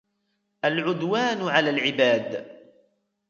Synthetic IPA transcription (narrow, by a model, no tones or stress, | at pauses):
ʔalʕʊd̪waːnʕalaːlʕɪbaːd̪